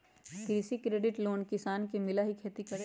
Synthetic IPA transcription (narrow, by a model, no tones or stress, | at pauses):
kɾisikɾeːɖɪʈloːnkɪsaːnkemɪlaɦikʰeːt̪ikɐɾ